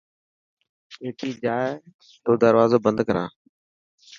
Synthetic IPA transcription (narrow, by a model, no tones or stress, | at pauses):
eːtiːd͡ʒaː | t̪oːd̪əɾʋaːzoːbə̃nd̪kəɾã̰ː